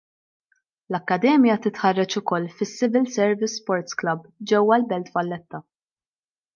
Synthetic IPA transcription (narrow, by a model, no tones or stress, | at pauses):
lɐkːɐd̪ɛːmjɐt̪ɪt̪ħɐrːɐt͡ʃʊkɔlːfɪsːɪvɪlsɛɾvɪsːpɔɾt̪sklɐbd͡ʒɛwːɐlbɛlt̪vɐlːɛt̪ːɐ